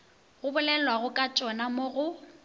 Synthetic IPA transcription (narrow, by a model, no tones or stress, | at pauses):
ɣʊbʊlɛlwaɣʊkʼat͡ʃʼɔnamoɣʊ